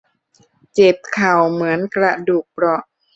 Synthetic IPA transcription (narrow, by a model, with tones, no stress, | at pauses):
t͡ɕe˨˩p̚kʰa˨˩wmɯ˩˦ənkɾa˧duː˨˩k̚pɾɔ˧ʔ